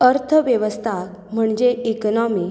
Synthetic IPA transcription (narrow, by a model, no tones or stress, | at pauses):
əɾt̪ʰəʋjəʋəst̪ʰa | m̤əɳd͡ʑeiknɔmiː